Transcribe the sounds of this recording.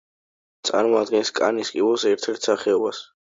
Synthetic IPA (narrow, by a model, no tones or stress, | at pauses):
t̪sʼa̰ɾmɔad̪̚ɡɛnskʼa̰niskʼibɔlˠsɛɾt̪ʰɛɾt̪ʰsaχɛɔbas